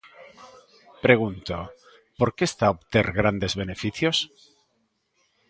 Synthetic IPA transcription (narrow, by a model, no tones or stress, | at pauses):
pɾe̞ɣunt̪o | po̞ɾke̞st̪aopt̪eɾɣɾand̪e̞zβe̞ne̞fiθjos